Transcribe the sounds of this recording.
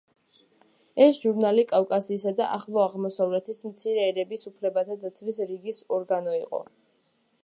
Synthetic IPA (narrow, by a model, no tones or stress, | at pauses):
ɛsʒuɾnalikʼafkʼasiːsad̪aʔaχlˠɔaʁmɔsavlɛt̪ʰismt̪sʰiɾɛːɾɛbisupʰlɛbat̪ʰad̪at̪sʰvisɾiɡisɔɾɡanɔiqʼɔ̰